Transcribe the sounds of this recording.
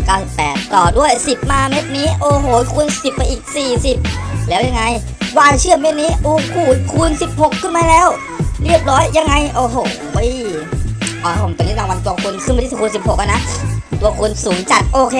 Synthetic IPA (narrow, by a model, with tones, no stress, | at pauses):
kaː˥˩wsi˨˩pːɛː˨˩t̪ːɔː˨˩du˥˩əjsi˨˩p̚maː˧me˦˥t̪̚niː˦˥ʔoː˧ɦoː˨˦kʰuː˧nsi˨˩pːa˧jʔiː˨˩k̚siː˨˩si˨˩p̚lɛː˦˥wja˧ŋa˧j | waː˧t͡ɕʰɯ˥˩əme˦˥t̪̚niː˦˥ʔuː˧˩kʰuː˨˩t̪̚kʰuː˧nsi˨˩p̚ho˨˩kʰːɯ˥˩nmaː˧lɛː˦˥w | ɾi˥˩əp̚ɾɔː˦˥jːa˧ŋːa˧jʔoː˧˩ɦoː˨˩ | ʔ | ʔɔː˨˩a˦˥pʰo˨˩˦mpe˧nːi˦˥˩aː˧˩wa˧nt̪u˧ɐkʰu˧nkʰɯ˥˩ma˧iː˥˨˩kʰːnsi˨˩p̚ho˨˩k̚ʔa˧na˦˥ʔt̪u˧ɐkʰu˧nsuː˩˦ŋt͡ɕa˨˩t̪̚ʔoː˧kʰeː˧